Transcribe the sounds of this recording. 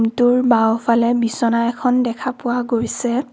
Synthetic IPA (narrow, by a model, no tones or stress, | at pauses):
mtʊɹbawpʰalɛbisɔnaɛkʰɔndɛkʰapʊwaɡoɹsɛ